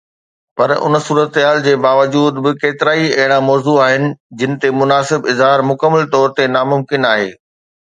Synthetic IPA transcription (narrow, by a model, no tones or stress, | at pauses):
pɐɾʊ̰nsuːɾət̪ɦaːld͡ʑeːbaːʋəd͡ʑuːd̪bɪkeːt̪ɪɾaːiɐɦɪɽ̃ãmɔːzuaːɦɪnɪ̆d͡ʑɪnɪ̆t̪emʊnaːsɪbɪzɦaːɾmʊkəmːəlt̪ɔːɾt̪enaːmʊmkɪnaːɦḛː